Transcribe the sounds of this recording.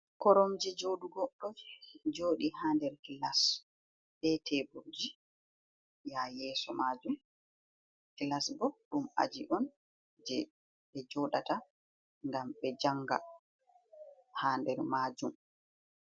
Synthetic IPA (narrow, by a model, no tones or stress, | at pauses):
kɔɾɔmd͡ʒɛd͡ʒoːɗuɡɔɗːɔd͡ʒd͡ʒoːɗihaːndɛɾkilas | ɓɛtʰɛbod͡ʒi | jajɛːsɔmaːd͡ʒum | kilasbɔɗuma̰d͡ʒiʔɔn | d͡ʒɛ | ɓɛd͡ʒɔɗata | ŋɡamɓɛd͡ʒaŋɡa̰ | haːndɛɾmaːd͡ʒum